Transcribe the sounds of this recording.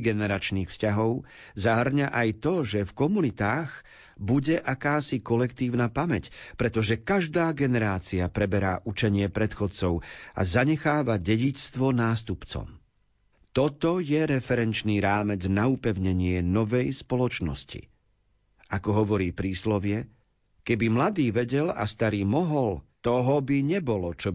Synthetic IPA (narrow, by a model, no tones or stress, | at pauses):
ɡɛnɛɾat͡ʃniːxfscaɦɔʊ | zaɦr̩ɲaʔajt̪ɔʒɛfkɔmunit̪aːɣ | buɟɛʔakaːsikɔlɛkt̪iːʊnaːpamɛcpɾɛt̪ɔʒɛkaʒd̪aːɡɛnɛɾaːt͡siapɾɛbɛɾaːʔut͡ʃɛɲɪɛpɾɛt̪xɔt͡sɔʊa̰zaɲɛxaːʋaɟɛɟit͡st̪ʋɔnaːst̪upt͡sɔ̰m | t̪ɔt̪ɔjɛɾɛfɛɾɛnt͡ʃniːɾaːmɛd͡znaupɛʊɲɛɲɪɛnɔʋɛjspɔlɔt͡ʃnɔ̰scḭ | ʔakɔɦɔʋɔɾiːpɾiːslɔʋɪɛ | kɛbimlad̪iːʋɛɟɛla̰st̪aɾiːmɔɦɔlt̪ɔɦɔbiɲɛbɔlɔt͡ʃɔ